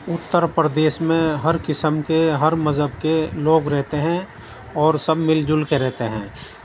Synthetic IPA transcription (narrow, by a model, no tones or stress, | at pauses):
ʊt̪ːəɾpɾəd̪eːʃmẽɦɐɾkɪsəmkeɦɐɾməzɦəbkeloːɡɾɛɦt̪eɦɛ̃ | ɔːɾsɐbmɪld͡ʒʊlkeɾɛɦt̪eɦɛ̃ː